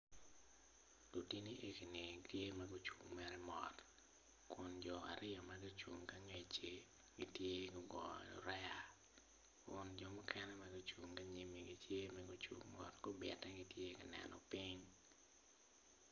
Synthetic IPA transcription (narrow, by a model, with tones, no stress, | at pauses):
lu˨ti˦ni˦ʔe˦ki˨ne˨ktje˦mɛ˦ɡʊ˦t͡ʃu˨ŋmɛ˨ɾɛ˦mɔ̰˨t | kʊ˨nd͡ʒɔ˨a̰˨ɾɪ˦ɔ˨ma˦ɡi˦t͡ʃu˨ŋka˦ŋe˦t͡ʃe˦ | ɡi˦tje˦ɡʊ˦ɡɔ˨ɔ̰˨ɾɛ˦ja˨ | kʊ˨nd͡ʒɔ˦mɔ˦kʰɛ˦nɛ˦ma˦ɡɪ˦t͡ʃu˨ŋka˦ɲi˨mi˨ɡi˨tje˦mɛ˦ɡʊ˦t͡ʃṵ˨ŋmɔ̰˨tɡ̥ʊ˦bɛ̰˨tɛ˦ɡi˦tje˦kɪ˨nɛ̰˨nɔ̰˨pi˦ɲ